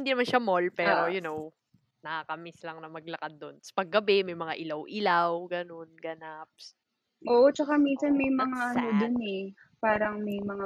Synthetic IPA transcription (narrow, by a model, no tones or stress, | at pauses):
ɪnd̪inɐmanʃɐmolpɛːɾojʊnow | nɐakɐmɪslɐŋnɐmɐɡlɐkad̪̚ːonspɐɡːɐbɛmɐjmɐŋaʔɪlawʔɪlawɡɐno̞nɡɐnap̚s | ʔoːʔot͡ʃɐkaminsɐnmɐjmɐŋaʔɐnod̪ʊnɛ | paːɾɐŋmɐjmɐŋa